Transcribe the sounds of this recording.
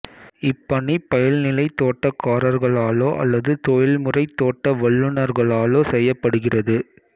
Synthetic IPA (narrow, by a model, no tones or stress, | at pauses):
ɪpːɐɳipɐjɐlnɪlɐɪt̪oːʈːɐkːaːɾɐɾɣɐɭaːloːʔɐ̰lːɐðɯt̪ojɪɭmɯrɐɪt̪ːoːʈːɐʋɐɭːɯɳɐɾɣɐɭaːloːsɛjːɐpːɐɽɯɣɪrɐðɯ